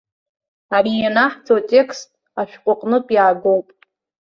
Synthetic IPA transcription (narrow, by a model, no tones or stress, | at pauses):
arijanaħt͡sʰotʲʼe̞kʰstʼ | aʃᶣqʷʼʊqʼnɨpʼjaːɡowpʼ